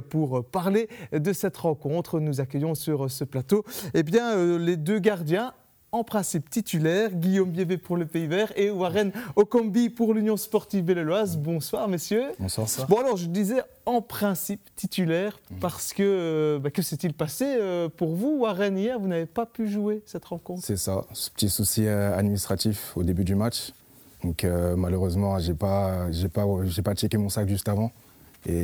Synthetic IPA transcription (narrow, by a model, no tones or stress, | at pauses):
puʁpaʁled̪əsɛt̪ʁɑ̃kɔ̃t̪χənuzakʲəjɔ̃syʁəsəplat̪oebjɛ̃øled̪øɡaʁd̪jɛ̃ | ɑ̃pχɛ̃sipt̪it̪ylɛʁɡʲijombjevepuʁləpeivɛːʁewaʁɛnɔkɔ̃mbipuʁlynjɔ̃spɔʁt̪ivbelelwazbɔ̃swaʁmesjø̰̃sabɔ̃alɔʁʒəd̪izɛ | ɑ̃pχɛ̃sipt̪it̪ʰylɛːʁpaʁsə̥kəbakəsɛt̪ilpaseøpuʁvuaʁɛnijɛʁvunavepapyʒuesɛt̪ʁɑ̃kɔ̃t̪sɛsasə̥pə̥t̪isusiøa̰d̪minist̪χat̪ifod̪ebyd̪ymat͡ʃ | d̪ɔ̃kømaløʁøzmɑ̃ʒepaʒepaʒepat͡ʃekemɔ̃sakʒyst̪avɑ̃ | ḛ